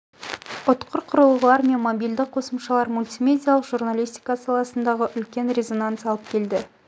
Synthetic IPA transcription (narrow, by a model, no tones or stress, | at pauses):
ʊt̪qʰəɾqʰʊɾəlˠʁəlˠɑɾme̞nmobʲild̪ɪq̚qʰo̞səmʃɑlˠɑɾmulʲt̪ʲijmʲe̞dʲijalˠəqʒ̥urnalʲijst̪ijkasɑlˠɑsənd̪ɑʁəʔʏlkʲe̞nɾʲe̞zo̞nant̪sɑlˠəp̚kʲʰe̞ld̪ɪ